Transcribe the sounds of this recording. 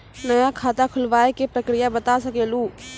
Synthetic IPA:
nəjakʰaːt̪akʰʊlʋaːekepɾəkɾijabət̪asəkeːlu

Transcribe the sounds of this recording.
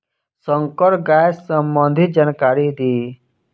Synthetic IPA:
sə̃ŋkəɽɡajssəmbə̃nd̪ʱit̪̚d͡ʒankaːɾid̪iː

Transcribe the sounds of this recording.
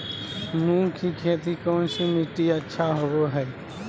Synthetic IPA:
mũːkʰikʰeːt̪ikɔːnsimɪʈiɐtːʃʰaɦoɡoɦɛː

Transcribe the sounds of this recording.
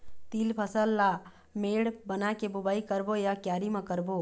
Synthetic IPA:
t̪iːlpʰəsəlːa | meːɽbənakebʊbaːikəɾbojakjaːɾimãkəɾboː

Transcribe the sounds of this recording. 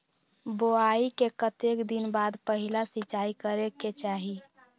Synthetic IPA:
boaikekət̪ekd̪inbaːd̪pəɦilasɪt͡ʃaikəɾeket͡ʃaːɦi

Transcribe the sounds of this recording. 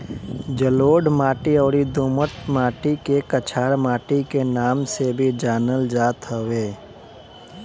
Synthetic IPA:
d͡ʒəloːɖmaːʈiɔːɾid̪uːmət̪maːʈikekət͡ʃʰaːɽmaːʈikenaːmsebʱid͡ʒaːnəld͡ʒaːt̪ɦəweː

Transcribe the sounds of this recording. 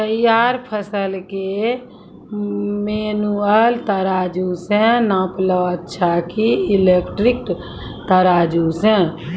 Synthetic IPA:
t̪əjaːɾpʰəsəlke | menuəlt̪əɾaːd͡ʒusɛ̃nãpləət̪ːʃʰakiilekʈɾik̚ | t̪əɾaːd͡ʒusɛ̃

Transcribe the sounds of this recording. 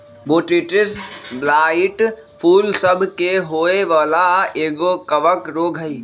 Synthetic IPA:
boːʈiʈɪsblaːɪʈ | pʰuːlsəbʱkeɦoːeʋaːlaeːɡokəʋəkɾoːɡʱɦəiː

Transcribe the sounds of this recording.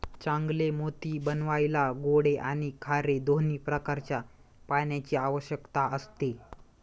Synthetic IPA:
t͡ɕãŋɡlemot̪iːbənʋajlaɡoɽeʔañikʰaɾed̪oniːpɾəkaɾt͡ɕjapaɳjat͡ɕiːaʋəɕjəkt̪aəst̪e

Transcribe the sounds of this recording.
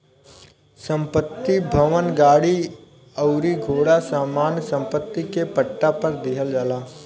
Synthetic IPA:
sə̃mpət̪ːibʱəʋənɡaːɽi | əʊɾiɡʱoːɽasaːmaːnsə̃mpət̪ːikepəʈːapəɾd̪ɪɦəld͡ʒaːlaː

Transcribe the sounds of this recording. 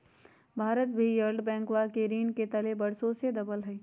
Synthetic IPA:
bʱaːɾət̪bʱijəɾɖbɛ̃ːŋkwakeɾiːnket̪ɐlebəɽsosed̪ɐbəlɦɛi

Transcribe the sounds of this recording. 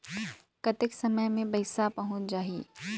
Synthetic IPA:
kɐt̪ɪksɐməjmẽbɐɪsapɐɦʊ̃t͡ʃd͡ʒaːɦiː

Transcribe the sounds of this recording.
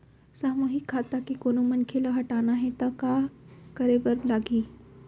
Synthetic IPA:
saːmoːɦikʰːaːt̪akikoːnomɐnkʰelaɦɐʈaːnaɦɛ̃t̪ɐkaːkɐɾebəɾlaːɡiː

